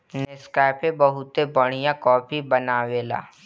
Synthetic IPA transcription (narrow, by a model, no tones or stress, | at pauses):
neskaːɪpẽbɐɦʊt̪ebɐɽ̃ijãkɔːpʰibɐnaːweːla̰ː